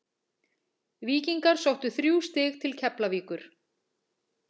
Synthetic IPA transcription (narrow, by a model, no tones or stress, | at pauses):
viːciŋkaɾ̥sowht̪ʏθɾjuːwst̪ɪxt̪ʰɪlcʰɛplaviːkʏɾ̥